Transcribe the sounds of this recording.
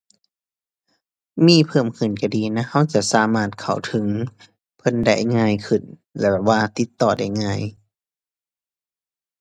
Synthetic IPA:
miː˧˨pʰɤː˧˩mkʰɯ˧˩nka˧˩diː˧na˧˥ha˧˥˨wt͡ɕa˧˩saː˨˦maː˧˩t̪̚kʰa˨˩wt̪ʰɯ˨˦ŋ | pʰɤ˧˨nda˧˩jŋaː˧˥˨jkʰɯ˨˩n | lɛ̰˧˩bɛ˨˧˩waː˧t̪i˧˦t̪ːɔː˨˩da˧˩jŋaː˧˩˨j

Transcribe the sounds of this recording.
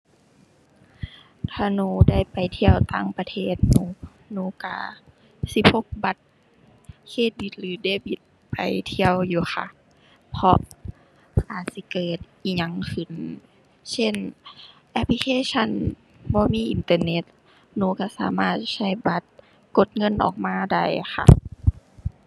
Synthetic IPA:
t̪ʰaː˧nuː˧da˥˩˨jpa˨jt̪ʰi˧əwt̪aː˧˩˨ŋpa˧t̪ʰeː˧˥˩t̪̚nuː˧˦ | nuː˧˦ka̰˧˩ | si˧˥p̚ho˧˦k̚ba˧˦t̪̚ | kʰeː˧˩t̪̚bi˧˦t̪̚lɯː˨˦deː˧˩bi˧t̪̚ | pa˨jt̪ʰi˧əwjuː˧˦xa̰˧ | pʰɔ˧ʔ | ʔaː˨˩t̪̚si˧˦kɤː˨˩t̪̚ʔiː˧˩ɲa˧ŋkʰɯ˨˩n | se˧˥˨nʔɛ˧pʰli˧kʰeː˧˥˨sʰa˧˥˨n | bɔː˧˦miː˧˥˨ʔi˧˨nt̪ɤː˧ne˧˦t̪̚ | nuː˧˨ka˧˩saː˨˦maː˧˩t̪̚sa˧˩jba˧˦t̪̚ | ko˧˦t̪̚ŋɤ˧˥˨nʔɔ̰ː˨˩k̚maː˧˥˨da˧˩˨jxʰa̰˧˩

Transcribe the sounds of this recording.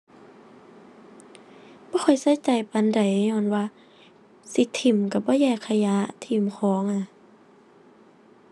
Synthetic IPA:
b̥ɔː˧˦kʰɔ˨˩jsa˧˥˦jt͡ɕa˨˩jpa˨˧˨nda˨˩jɲɔː˧˨nwaː˧ | si˧˦t̪ʰːi˧˩mka˧˩bɔː˧˦jɛː˧˩kʰːa˧ja˧˥ʔt̪ʰi˧˩mkʰɔː˨˦ŋʔa˧˩˨

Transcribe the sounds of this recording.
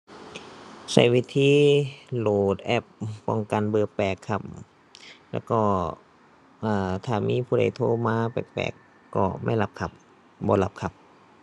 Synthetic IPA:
sa̰˧˩jwiː˧˥t̪ʰiː˧˥˨loː˨˩t̪̚ʔɛ˧˥˩p̚ːɔ˧˩ŋka˨nbɤː˧pɛː˨˩kʰːa˧˩p̚ | lɛ̰ː˧˥wkɔː˧˩ | ʔaː˨˩t̪ʰaː˧˩miː˧˥˨pʰuː˧˩da˨˩jt̪ʰoː˧maː˧pa̰˨˩pɛ̰ː˨˩kː | ɔ̰ː˧˩ma̰˧˥˩jla˧˦p̚kʰa˧˩p̚ | bɔː˧˦la˧p̚kʰa˧˩p̚

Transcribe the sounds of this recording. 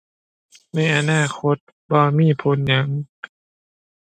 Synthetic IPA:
na˧˩jʔa˧naː˧˥˩kʰo˧˦t̪̚ | baː˧˦miː˧˥˨pʰo˨˧˦nɲa˧˦ŋ

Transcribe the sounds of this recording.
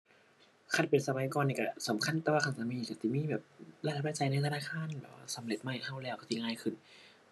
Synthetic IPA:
kʰa˧˩tpe˨nsa˧ma˨˦jkɔː˧niː˧˩ka˧˩sa˨˦mkʰa˧˥˨nt̪ɛː˧waː˧˩a˧˩nsa˧miː˧˨˧ka˧˩si˧˦˩miː˧˥˨bɛː˨˩p̚la˧˩da˨˦p̚la˧˥˩t͡ɕa˧jna˧jt̪a˧naː˧˥˩kʰaː˧˥˨nbɛː˨˩p̚wa̰ː˧˩sa˨˦mle˨˧˦t̪̚ma˧˥˩jt̪ʰa˧˥˩wlɛː˧˩wka˧˩si˧˨ŋaː˧˩˨jkʰɯ˧˩n

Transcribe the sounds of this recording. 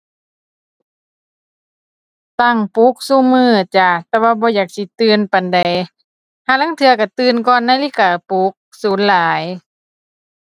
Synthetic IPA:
t̪a˧˩˨ŋpu˧˦k̚su˧˨mɯː˧˩t͡ɕa˧˩t̪ɛː˧waː˧bɔː˧˦jaː˨˩k̚si˧˦t̪ɯː˧˨npa˨nda˨j | hʰaː˧˨la˧˥ŋt̪ʰɯ˧ɐka˧˩t̪ɯː˧˨nkɔː˧˨nːaː˧˨liː˧˥˨kaː˨˩pu˧˦k̚suː˨˦nlaː˨˦j

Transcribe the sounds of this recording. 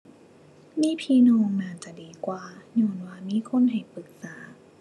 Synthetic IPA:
miː˧˥˨pʰiː˧nɔː˧ŋnaː˧˩t͡ɕa˨˧˩diː˨˦kwaː˨˧ɲɔː˧nwaː˧miː˧˥˨kʰo˧˥˨nɦa˨˩jpɯ˨˩˦k̚saː˩˦

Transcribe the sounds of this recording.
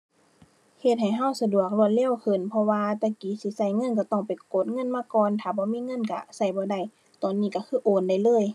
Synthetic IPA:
he˧t̪̚ha˨˩jɦa˧˥˨wsa˧du˨˩ək̚lu˧˩əlɛː˧˥˨wkʰɯ˨˩npʰɔ˧waː˧t̪ɛ˧˩kiː˨˦si˧˦sa˧˩˨jŋɤ˧˥˨nka˧˩t̪ɔ˧˩ŋpa˨jko˨˦t̪̚ŋɤ˧˥˨nmaː˧˥˨kɔː˨nt̪ʰaː˧˩bɔː˧˦miː˧˥˨ŋɤ˧˥˨nka̰˧˩sa˧˩jbɔː˧˦da˧˩˨j | t̪ɔː˨nːiː˧˨ka˧˩kʰɯː˧˥˨ʔoː˧˩nda˧˩jlɤː˧˥˨j

